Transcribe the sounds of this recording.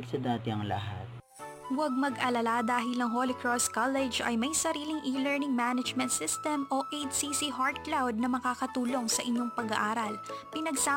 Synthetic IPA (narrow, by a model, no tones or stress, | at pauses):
ksɐd̪aːt̪ɪɐŋlɐ̰ɦa̰t̪̚ | wɐɡ̚mɐɡʔɐlɐlɐd̪aːɦɪlɐŋɦolɪkɹoskalɛd͡ʒɐ̰jmɐjsɐɾiːlɪŋʔiːlɛɹnɪŋmanɐd͡ʒmɛ̃nt̪sɪst̪ɛmoʔejt͡ʃsisiɦaɹt̪lawd̪̚nɐmɐkaːkɐt̪uːlo̞ŋsɐʔɪɲːo̞ŋpɐɡɐ̰ʔaːɾɐlpɪnɐɡsa